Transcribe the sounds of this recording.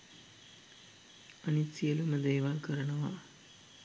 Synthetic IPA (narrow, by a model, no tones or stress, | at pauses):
ɐnisijɐlumɐd̪eːʋaːlkɐɾɐnɐʋaː